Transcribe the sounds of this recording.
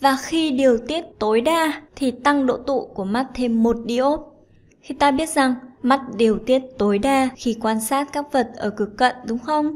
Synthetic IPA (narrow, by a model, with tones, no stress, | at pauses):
vaː˨˩xi˧ɗi˨˩əwt̪i˦˥ət̚t̪o˨˦jɗaː˧t̪ʰi˨˩t̪a˧ŋɗo̰˧˨t̪ṵ˧˨ku˧˩əma˦˥t̚t̪ʰe˧mːo˨˩t̚ɗi˧ʔo˦˥t̚ | xi˧t̪aː˧ɓi˦˥ət̚za˨˩ŋma˦˥t̚ɗi˨˩əwt̪i˦˥ət̚t̪o˨˦jɗaː˧xi˧kwaː˧nsaː˦˥t̚kaː˦˥k̚və˨˩t̚ʔəː˧˩kɨ˨˩kːə̰˧˨nɗʊ˨˦ŋ͡mxə˧wŋ͡m